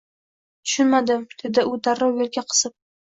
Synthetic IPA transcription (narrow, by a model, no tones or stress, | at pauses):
t̪ʰʊ̥ʃʊnmad̪ɪmd̪̥e̞d̪ɪʊd̪aɾɒwjolɡʲaqʰɨ̥sɪp̚